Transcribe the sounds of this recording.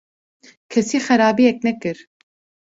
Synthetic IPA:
kʰɛsiːxɛɾaːbiːjɛk̚nɛkɨɾ

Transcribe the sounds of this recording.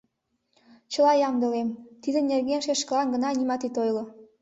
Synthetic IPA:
t͡ɕə̆lɑjɑmd̪ə̆lemt̪id̪ə̆nʲerɣenʃeʃkə̆lɑnɡə̆nɑnʲimɑt̪it̪ojlŏ

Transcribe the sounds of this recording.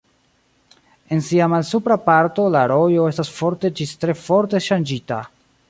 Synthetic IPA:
e̞nsiamalsupɾapaɾto̞laɾo̞jo̞e̞stasfo̞ɾte̞d͡ʒistɾe̞fo̞ɾte̞ʃand͡ʒita̰

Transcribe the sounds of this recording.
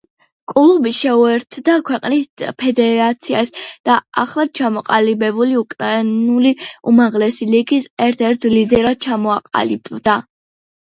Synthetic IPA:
kʼulˠubiʃɛuɛɾt̪ʰd̪akʰwɛqʼnispʰɛd̪ɛɾat̪sʰiasd̪̥aaχlˠad̪̥̚t͡ʃʰamɔqʼalibɛbuliukʼɾainuliumaʁlɛsiliɡisɛɾt̪ʰɛɾt̪̚ʰlid̪ɛɾad̪̥̚t͡ʃʰamɔaqʼa̰libd̪a

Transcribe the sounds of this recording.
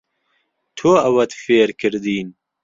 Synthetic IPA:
t̪ʰoːɐwɐt̪feːɾkʰɨɾd̪iːn

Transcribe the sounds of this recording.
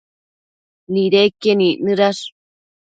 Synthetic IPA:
niɾekːeninɨɾaʂ

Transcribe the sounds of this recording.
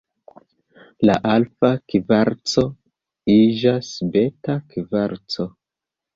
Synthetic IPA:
la̰ʔalfakivaɾt͡so | id͡ʒasbetakivaɾt͡so

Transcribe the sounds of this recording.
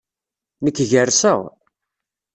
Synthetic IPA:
nəkːʝərsəʁ

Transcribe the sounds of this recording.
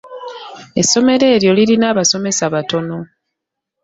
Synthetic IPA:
e̞sːo̞me̞ɾe̞ːɾjo̞liɾinaːβaso̞me̞saβato̞no̞

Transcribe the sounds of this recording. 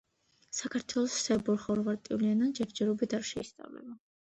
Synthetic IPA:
sakʰaɾt̪ʰwɛlˠɔsːɛbɔɾχɔɾvaɾt̪ʼiulianand͡ʒɛɾd͡ʒɛɾɔbit̪ʰaɾʃɛist̪sʼa̰vlɛ̰ba

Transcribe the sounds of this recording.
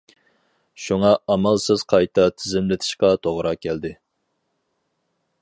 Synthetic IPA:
ʃuŋɑɑmɑlˠsɪz̥qʰɑjt̪ʰɑt̪ʰɪzɪmlɪt̪ʰɪ̥ʃqɑt̪ʰoʁɾɑkʲʰɛld̪ɪ

